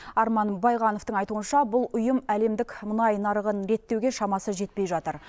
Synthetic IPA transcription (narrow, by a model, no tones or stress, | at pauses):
ɑɾmɑnbɑjʁɑno̞ft̪əŋɑjt̪uənʃɑbʊlˠʊjəmæle̞md̪ɪkʲmʊnɑjnɑɾəʁənɾe̞t̪ːe̞wɡʲe̞ʃɑmɑsəʒe̞t̪̚pe̞jʒɑt̪əɾ